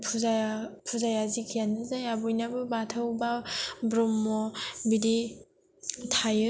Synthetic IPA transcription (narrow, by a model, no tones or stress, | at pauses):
pʰuzapʰuzajazikʰijanɯzajabujnabɯbatʰɯwbabɾɔmːɔbidi | tʰajɯ